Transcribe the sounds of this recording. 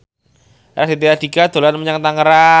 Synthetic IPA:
ɾasdit̪ead̪iɡad̪̥o̤lanməɲaŋt̪aŋəɾa

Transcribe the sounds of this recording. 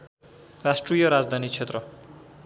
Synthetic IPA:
rasʈrijʌɾad͡zd̪ʱanit͡sʰet̪rʌ

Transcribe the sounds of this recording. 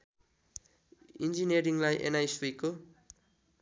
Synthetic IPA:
ind͡ʒineɾiŋlajʔḛnajsijko

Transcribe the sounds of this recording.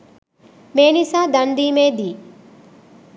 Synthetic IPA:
meːnisaːd̪ɐnd̪iːmeːd̪iː

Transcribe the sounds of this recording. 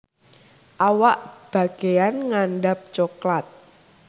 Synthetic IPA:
ʔawaʔb̥a̤ɡ̥e̤janŋanɖap̚t͡ʃoklat̪̚

